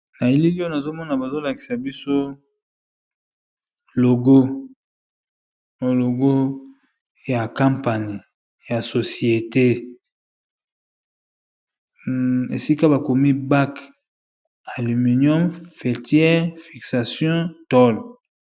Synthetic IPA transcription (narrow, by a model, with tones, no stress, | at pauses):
na˨i˦li˦li˦o˦na˨zo˦mɔ˦na˨ba˨zo˦la˨ki̥˨sa˨bi˦so˦ | lo˨ɡo˦ | lo˨ɡo˦ | ja˨kã˦mpa˨ɲi˨ | ja˨so˨si˨e˨te˦ | ḛ˨si˦ka˦ba˨ko˨mi˦ba˦k | a˨ly˨mi˨njɔ˦mfe˨tjɛ˦ʁfi˨ksa˨sjɔ̃˦tɔ˦l